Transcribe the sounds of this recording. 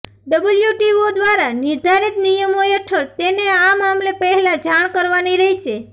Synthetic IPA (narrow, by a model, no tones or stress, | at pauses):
ɖəbəljuʈiod̪ʋaɾanɪɾd̪ʱaɾit̪nijəmojeʈʰəɾt̪eneamamlepəɦɛlad͡ʒaɳkəɾʋaniɾəɦiʃe